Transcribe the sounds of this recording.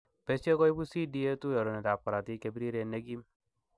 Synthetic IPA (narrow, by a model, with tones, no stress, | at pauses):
bɛ˨˦sɔ˦kɔ˦i˦bu˦si˦di˦je˦tu˦jɔ˨ɾɔ˨nɛ˨da˨p̚ka˨ɾa˨ti˦ke˨bi˦ɾi˦ɾe˨ne˦ɡi˦m